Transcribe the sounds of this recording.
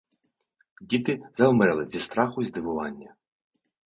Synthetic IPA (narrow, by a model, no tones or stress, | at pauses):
dʲit̪ɪzɐʊmɾɛlˠɪzʲist̪ɾɑxʊizd̪ɪʋʊʋɑnʲːɐ